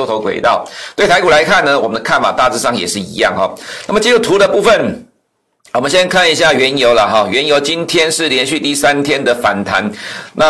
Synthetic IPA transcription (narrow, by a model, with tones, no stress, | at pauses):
o˥˧t̪ʰo˧˥ʊkwḛ˨˩ɪt̪ɑ˥˩ʊt̪we˥˩ɪt̪ʰa˧˥ɪku˨˩la˧˦ɪkʰa˥˩nːə˨wɔ˨˩mə˦nd̪ə˧kʰa˥˩nfa̰˨˩t̪a˥˧t͡sɹ̩˥˧ʂɑ˥˧ŋjɛ˨˩ʂɻ̩˥˩ḭ˧˥jɑ̰˥˨ŋxɔ̰˨˩na˥˩mə˨˩t͡ɕi˥u˨˩t̪ʰu˧˥d̪ə˧pu˥˧fə˥˩n | wɔ˨˩mə˦nɕjɛ˦˥nkʰa˥˩ni˧˥ɕ̬ja˥˩ɥɛ˧˥njo˧˥ʊlə˨xɑ˨˩ɥɛ˧˦˥njo˧˥ʊt͡ɕi˦˥nt̪ʰjɛ˥nʂɻ̩˥˩ljɛ˧˥nɕy˥˧t̪i˥˩sa˦˥nt̪ʰjɛ˥nd̪ə˨fa˨˩nt̪ʰa̰˧˦nna˥˨